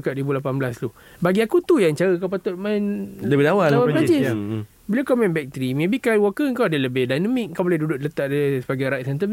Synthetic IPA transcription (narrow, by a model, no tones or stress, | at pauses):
kaʔ̚dibulapanblaslu | baɡiakut̪ujaŋt͡ʃaɾəkawpat̪ʊt̪̚mandəbawaawalad͡ʒɪs | bilakamɛ̃nbɛk̚t̪əɾimẽbikajwɔkəəŋkawadələbɪhdajnəmĩk̚ŋkawbolɛhdudʊʔlət̪aʔdasəbaɡajɾajt̪̚sant̪ə